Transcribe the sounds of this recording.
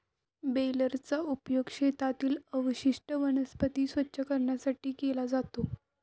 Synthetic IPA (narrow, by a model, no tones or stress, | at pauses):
beləɾt͡saupjoɡɕet̪at̪iːləʋɕiʂʈəʋənəspət̪iːsʋətːɕʰəkəɾɳjasaʈiːkelad͡zat̪o